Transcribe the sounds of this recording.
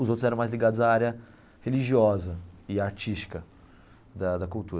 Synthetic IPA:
ʊzowt̪ɾʊzɛɾɐ̃majzliɡad̪ʊzaaɾjɐ | heliʒiɔzɐɪaɾt͡ʃist͡ʃi̥kɐ | d̪ɐd̪ɐkuwt̪uɾɐ

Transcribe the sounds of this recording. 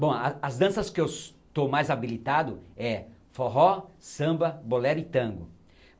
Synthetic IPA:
bõw̃ɐɐzd̪ɐ̃sɐskɪew | t̪omajzabilit̪ad̪ʊɛfoɦɔsɐ̃mbɐbolɛɾit̪ɐ̃ɡʊ

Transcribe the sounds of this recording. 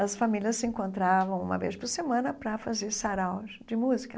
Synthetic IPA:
ɐsfamiliɐsːɪẽŋkõnt̪ɾavɐ̃w̃ṵ̃mɐ̰vḛspʊɾsemɐ̃nɐpɾɐfazeɾsaɾaw | d͡ʒɪmuzikɐ

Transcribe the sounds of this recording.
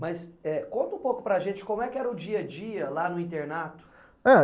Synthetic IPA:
mɐsɛkõnt̪ʊũpowkʊ̥pɾɐaʒẽt͡ʃɪ̥kõmʊɛkɪɛɾɐʊd͡ʒiɐd͡ʒiɐlanʊĩnt̪eɾnat̪ʊ̥ | a

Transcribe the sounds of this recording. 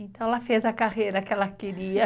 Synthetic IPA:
ẽntt̪ɐ̃w̃ɛlɐfezɐkahejɾɐkɪɛlɐkeɾiɐ

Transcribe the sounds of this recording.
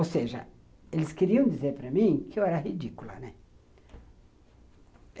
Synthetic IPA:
owseʒɐ̰ | elɪskeɾiɐ̃w̃d͡ʒ̪izeɾpɾɐmĩkɪewɛɾɐɦid͡ʒikulɐ̰nɛ

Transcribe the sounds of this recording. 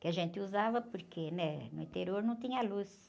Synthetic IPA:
kɪaʒẽnt̪ɪuzavɐpʊɾkʰenɛnʊĩt̪eɾioɾnɐ̃w̃t̪ĩɲɐlus

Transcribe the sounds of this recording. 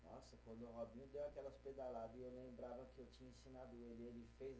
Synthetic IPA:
nɔ̰sɐkwɐ̃nd̪ʊʊɦɔbĩɲʊ̃d̪ewakɛlɐsped̪alad̪ɐɪewlẽmbɾavɐkɪewt͡ʃĩɲɐẽsĩnad̪ʊelɪelɪfejz

